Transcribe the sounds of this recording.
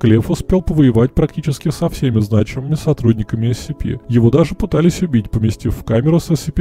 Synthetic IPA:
klʲefʊspʲe̞lˠpəvəɪvat̚ʲpɾɐk̚tʲit͡ɕɪskʲɪsɐfsʲemʲɪznat͡ɕɪmɨmʲɪsɐt̪ɾudʲnʲɪkəmʲɪɐsʲɪpʲḭjɪvo̞d̪aʐɨpɨt̪alʲɪsʲʊbʲitʲpəmʲɪsʲtʲifʲːkamʲɪɾʊsəsʲɪpʲi

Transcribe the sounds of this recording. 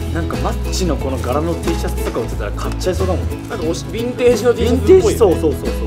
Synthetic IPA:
nãŋkamat͡ɕino̞ko̞no̞ɡaɾano̞t̪ʰiːɕasɨ̥t̪o̞kaot̪et̪ːaɾakʰatt͡ɕːaiso̞ːd̪amõne | bʲĩnt̪eːʑinoĩneːisoːsoːsoːso

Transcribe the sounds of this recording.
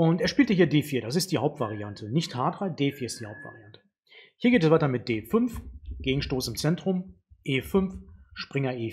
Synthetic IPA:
ʔʊnteːɐʃpiːltəhiːɐdeːfiːɐɾasɪst̚d̥iːhaʊp̚tv̥aʁiantʰənɪçthaːdʁaɪd̥eːfiːɐɪstd̥iːhaʊptv̥a̰ʁiantə̥ | hiːɐɡeːtɛsv̥aɪtɐmɪt̚d̥eːfʏnfɡ̥eːɡŋ̩ʃtoːsɪmt͡sɛntʁ̥ʊm | ʔeːfʏnfʃpʁ̥ɪŋɐʔeː

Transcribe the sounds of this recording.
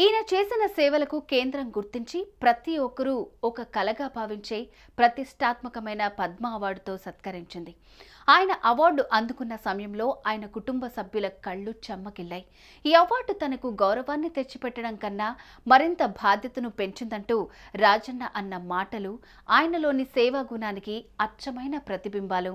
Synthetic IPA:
iːnɐt͡ʃe̞ːsinɐsɛːʋɐlɐkuke̞ːnd̪ɾɐmɡuɾt̪iɲt͡ʃipɾɐt̪iɔkɐɾuɔkɐkɐlɐɡaːbʱaːʋiɲt͡ʃe̞ː | pɾɐt̪iʂʈaːt̪mɐkɐmɐjnɐpɐd̪mɐːʋaːɾɖt̪o̞ːsɐt̪kɐɾiɲt͡ʃind̪i | aːjɐnɐʔɐʋaːɾɖuʔɐnd̪ukunːɐsɐmɐjɐmlo̞ːʔaːjɐnɐkuʈumbɐsɐbʱjulɐkɐɭːut͡ʃɐmːɐɡiɭːaːji | iːɐʋaːɾɖut̪ɐnɐkuɡɐwɾɐʋaːnːit̪et͡ʃːipɛʈːɐɽɐŋkɐnːaː | mɐɾint̪ɐbʱaːd̪ʱjɐt̪ɐnupe̞ɲt͡ʃind̪ɐɳʈuːɾaːd͡ʒɐnːɐʔɐnːɐmaːʈɐlu | aːjɐnɐlo̞ːnisɛːʋaːɡunaːnikiɐt͡ʃɐmɐjnɐpɾɐt̪ibimbaːlu

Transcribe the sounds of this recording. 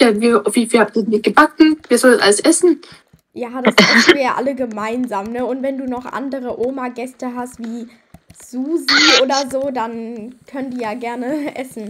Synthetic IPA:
ɛviːaʊfv̥iːfiːlhap̚tiɐdɛniɡ̥əbakŋ̩viːɐzɔlənʔaləsʔɛsn̩ | jaːd̥asaiːɐjaːʔa̰ləɡəmaɪnzaːmnəʊntvɛnduːnɔχʔa̰ndəʁ̞əʔoːmaɡɛstəɦastv̥iː | z̥uːziʔoːdɐzoːdankʰœnəndiːjaːɡɛɐnəʔɛsn̩

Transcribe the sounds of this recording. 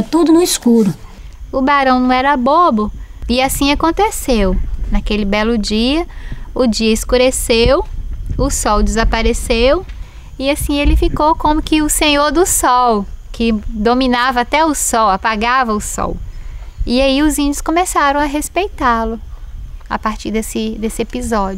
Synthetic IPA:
t̪ud̪ʊnʊiskuɾʊ | ʊbaɾɐ̃w̃nɐ̃w̃ɛɾɐbobʊɪasĩakõnt̪esewnakelɪbɛlʊd͡ʒiɐʊd͡ʒiɐɪskuɾesewʊsɔwd͡ʒɪzapaɾesew | iasĩelɪfikowkõmʊkɪʊsẽɲoɾd̪ʊsɔwkʰɪd̪omĩnavɐat̪ɛʊsɔwapaɡavɐʊsɔ̰w | iaiʊzĩd͡ʒʊskõmesaɾɐ̃w̃ɐɦespejt̪alʊ | a̰paɾt͡ʃiɾd̪esɪd̪esɪepizɔd͡ʒʊ

